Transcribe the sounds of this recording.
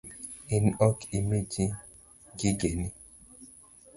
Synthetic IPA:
inɔkimed͡ʒi | ɡiɡeni

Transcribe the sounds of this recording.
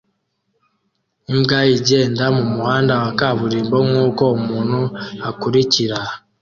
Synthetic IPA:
imɡajiɟeːndamumuhaːndawakaβuɾiːmbomŋuːkoumuːn̤huakuɾiciɾa

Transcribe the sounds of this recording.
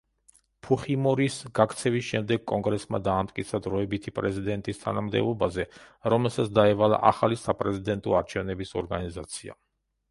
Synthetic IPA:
pʰuχimɔɾisɡakʰt̪sʰɛvisʃɛmd̪ɛɡ̚kʼɔŋɡɾɛsma̰d̪aːmt̪ʼkʼit̪sʰad̪ɾɔɛbit̪ʰipʼɾɛzid̪ɛnt̪ʼist̪ʰa̰namd̪ɛ̰bˠɔbazɛɾɔmɛlˠsatsʰd̪aɛvalˠa̰ʔa̰χalisapʼɾɛzid̪ɛnt̪ʼɔaɾt͡ʃʰɛvnɛbisɔɾɡanizat̪sʰia̰

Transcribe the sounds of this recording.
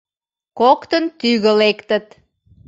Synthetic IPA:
kokt̪ənt̪yɣəlekt̪ət̪

